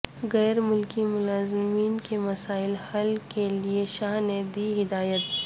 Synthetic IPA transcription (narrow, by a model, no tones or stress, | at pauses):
ɣɛːɾmʊlkimʊlaːzɪmiːnkemɐsaːɪlhɐlkelieʃaːɦned̪iːɦɪd̪aːjət̪̚